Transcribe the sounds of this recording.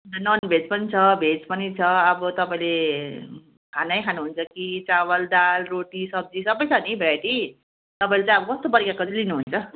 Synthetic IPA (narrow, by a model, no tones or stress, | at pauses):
t̪ʌnʌnbʱed͡zpʌnit͡sʰʌbʱet͡spʌnit͡sʰʌʌbʌt̪ʌpaĩle | kʰanʌjkʰanuɦunt͡sʰʌkit͡sawʌld̪alroʈisʌb̚d͡zisʌbʌjt͡sʰʌnibʱaʈi | t̪ʌpaĩlet͡sãj̃ʌbʌkʌst̪obʌɾikakotilinuɦunt͡sʰʌ